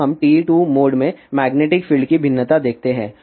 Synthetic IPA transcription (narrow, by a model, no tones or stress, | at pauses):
ɦɐmʈiːʈuːmoːɖmẽmɛːɡneːʈɪkfɪːlɖkibʱɪnːət̪ad̪eːk̚ʰt̪eɦɛ̃ː